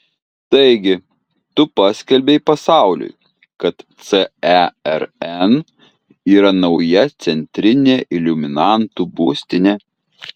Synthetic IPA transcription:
t̪ɐɪɡʲɪ | t̪ʊpɑːsʲkʲɛlʲbʲɛɪpɐsɑˑʊlʲʊ̰j | kɐt̪t̪sɛɛɛɾɛn | iːɾɐnɐʊjɛt̪sʲɛnʲt̪ʲɾʲɪnʲeːʔɪlʲʊmʲɪnɑˑnt̪ubuːsʲt̪ʲɪnʲeː

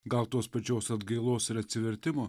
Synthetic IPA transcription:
ɡɐlˠt̪oːspɐt͡ʃʲoːsɐd̪ɡɐɪlˠoːsɪɾɐt̪ʲsʲɪʋʲɛɾʲt̪ʲɪmoː

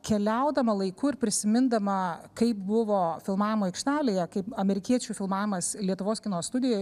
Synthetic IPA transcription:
kʲɛlʲɛʊd̪ɐmɐlˠɐɪkuːɪɾpʲɾʲɪsʲɪmʲɪnd̪ɐmɐkɐɪpbʊʋoːfʲɪlˠmɑːʋʲɪmoːɛɪkʃʲt̪ʲæːlʲeːjɛkɐɪpɐmʲɛɾʲɪkʲiɛt͡ʃʲuːfʲɪlˠmɑːʋʲɪmɐslʲiɛt̪ʊʋoːskʲɪnoːsst̪ʊd̪ʲɪjoː

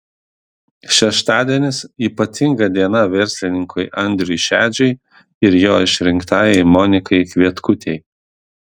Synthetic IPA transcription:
ʃʲɛʃt̪ɑːd̪ʲiɛnʲɪsiːpɐt̪ʲɪŋɡɐd̪ʲiɛnɐʋʲɛɾʲsʲlʲɪnʲɪŋkʊɪʔɐnʲd̪ʲɾʲʊjʃʲæːd͡ʒʲɛɪ | ɪɾjoːɪʃʲɾʲɪŋkt̪ɑːjɛɪmɔnʲɪkɐɪkʲʋʲiɛt̪kʊt̪ʲeɪ

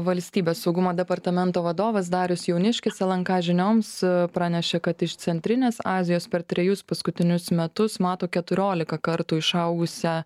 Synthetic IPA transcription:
ʋɐlʲsʲt̪ʲiːbʲeːsːɒʊɡʊmoːd̪ʲɛpɐɾt̪ɐmʲɛnt̪oːʋɐd̪oːʋɐs̬d̪ɑːɾʲʊsjɛʊnʲɪʃʲkʲɪsʲɛlˠɐŋkɑːʒʲɪnʲoːmspɾɑːnʲɛʃʲɛkɐt̪ɪʃt̪sʲɛnʲt̪ʲɾʲɪnʲeːsɑːzʲɪjoːspʲɛɾt̪ʲɾʲɛjʊspɐskʊt̪ʲɪnʲʊsmʲɛt̪ʊsmɑːt̪oːkʲɛt̪ʊɾʲoːlʲɪkɐkɐɾt̪uːɪʃɐʊɡʊsʲɛ

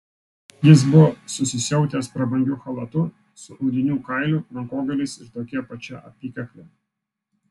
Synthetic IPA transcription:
jɪs̬bʊʋɔsʊsʲɪsʲɛʊt̪ʲeːspɾɐbɐŋʲɡʲʊxɐlˠɐt̪ʊ | sʊʔɔʊd̪ʲɪnʲuːkɐɪlʲupɾɐŋkoːɡɐlʲɛɪsɪɾt̪oːkʲiɛpɐt͡ʃʲɛʔɐ̰pʲiːkɐklʲe

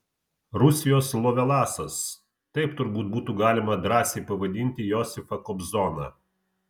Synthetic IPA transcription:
ɾʊsʲɪjoːslˠɔʋʲɛlˠɑːsɐs | t̪ɐɪpt̪ʊɾbuːt̪̚buːt̪uːɡɑːlʲɪmɐd̪ɾɑːsʲeɪpɐʋɐd̪ʲɪnʲt̪ʲɪjɔsʲɪfɐkɔbzɔnɑ̰

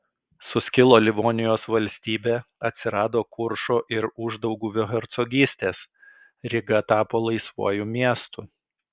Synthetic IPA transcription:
sʊsʲkʲɪlˠoːlʲɪʋoːnʲɪjoːsʋɐlʲsʲt̪ʲiːbʲeːɐt̪ʲsʲɪɾɑːd̪oːkʊɾʃoːʔɪɾʊʒd̪ɒʊɡuːʋʲɛɦɛɾt̪sɔɡʲiːsʲt̪ʲeːs | ɾʲɪɡɐt̪ɑːpoːlˠɐɪsʋṵɔjuːmʲiɛst̪u

